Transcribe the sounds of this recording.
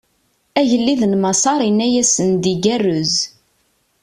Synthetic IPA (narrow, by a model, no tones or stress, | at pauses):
æʝəlːiðənmɑsɑɾˤinːæjæsənd̪iɡærːʊz